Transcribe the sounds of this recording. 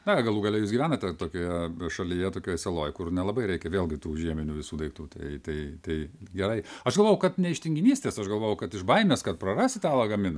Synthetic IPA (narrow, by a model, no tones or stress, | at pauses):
d̪ɐɡɐlˠuːɡɐlʲɛjusɡʲiʋʲæːnɐt̪ʲɛt̪oːkʲoːjɛʃɐlʲijɛt̪oːkʲoːjɛsʲɛlˠoːjkʊrnʲɛlˠɐbɐɪɾʲɛɪkʲɛʋʲeːlˠɡʲɪt̪uːʒʲiɛmʲɪnʲuʋʲɪsuːd̪ɐɪk̚t̪uːt̪ɐɪt̪ɐɪt̪ɐɪɡʲɛɾɐɪɐʃɡɐlˠʋoːjɛʊkɐt̪nʲɛɪʃʲt̪ʲɪŋʲɡʲɪnʲiːsʲt̪ʲeːsɐʃɡɐlˠʋoːjɛʊkɐt̪ɪʃbɐɪmʲeːskɐt̪̚prɐrɑːsʲɪt̪ɑːlˠɐɡɐmʲɪnɐ